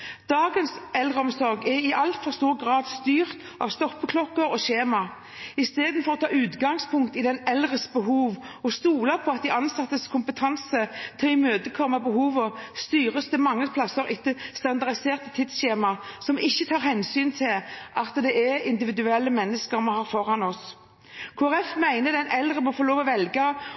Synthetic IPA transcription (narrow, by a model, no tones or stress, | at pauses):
d̪̥ɑːɡənsɛlʁəɔmsɔɾɡɛɾɪʔɑlt̪fɔʁst̪uːʁɡʁɑːd̪st̪yːʁt̪ | ʔɑ̰ʋst̪ɔpːəkʰlɔkːəɾɔɕeːmɑ | ɪst̪eːd̪nfɔʁɔt̪ʰɑːʉːt̪ɡɑŋspʰʊŋkt̪ɪd̪ɛnɛlʁəsbəɦuːʋɔst̪uːlɑpʰɔɑt̪̚d̪ɪʔɑnsɑt̪ːəskʰʊmpət̪ʰɑnsət̪ʰɪlɪmøːt̪əkʰɔmːɑbəhuːʋəst̪yːʁəst̪ʰɪmɑŋːəpʰlɑsəɾɪt̪ːəst̪ɑnd̪ɑʁd̪ɪseːʁt̪ət̪ʰɪd̪sɕeːmɑsɔmɪçːət̪ʰɑːɾhɛnsyːnt̪ʰɪlʔɑt̪d̪ɛʔɛɪnd̪ɪʋɪd̪ʉɛlːəmɛnːəskəɾmɑhɑːɾfɔɾɑnɔs | kʰoːæɾɛfmæɪnəd̪ɛnʔɛlʁəmɔfoloːʋɔʋɛlɡɑ